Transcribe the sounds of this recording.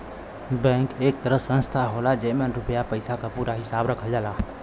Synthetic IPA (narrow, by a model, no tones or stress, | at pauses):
bɛ̃ŋkek̚t̪əɾəsə̃nst̪ʰaɦolad͡ʒemenɾupjapəjsakapuɾaɦisabɾəkʰəld͡ʒala